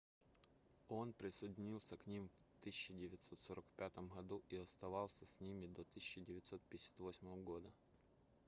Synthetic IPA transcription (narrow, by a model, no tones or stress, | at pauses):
o̞npɾʲɪsədʲɪnʲilˠsʲəknʲimvt̪ɨsʲɪt͡ɕːɪdʲɪvʲɪt̪so̞t̪soɾʔəkpʲat̪əmɦɐd̪uʔiɐst̪ɐvɑlˠsʲəsʲnʲimʲɪd̪ot̪ɨsʲɪt͡ɕːɪdʲɪvʲɪt̪so̞t̪̚pʲɪjɪsʲḁt̪vosʲməvəɡo̞d̪ə